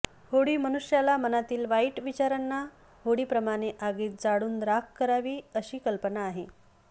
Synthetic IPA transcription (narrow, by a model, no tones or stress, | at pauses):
hoɽiːmənuɕjalamənat̪iːlʋaiʈʋit͡ɕaɾənːa | hoɽiːpɾəmaɽ̃eʔaɡiːt̪̚d͡zaɽuːnd̪ɾakkəɾaʋiːəɕiːkəlpənaːɦe